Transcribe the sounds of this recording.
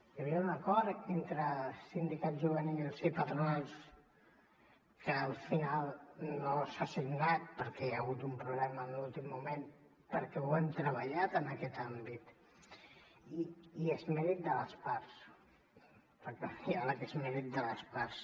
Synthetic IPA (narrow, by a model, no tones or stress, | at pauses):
jəβiəunəkɔɾent̪ɾəsind̪ikad̪ʒuβ̞ənilˠsipət̪ɾunas | kʰəːlˠfinalˠnosasiɡnat̪̚pəɾkɛjaɣut̪umpɾuβlɛməːnlulˠt̪imːumen | pəɾkɛwant̪ɾəβəʎat̪ənəkɛt̪ambit̪ | iiezmɛɾit̪̚d̪ələspaɾs | pəɾkɛfialəkezmɛɾit̪̚d̪ələspaɾs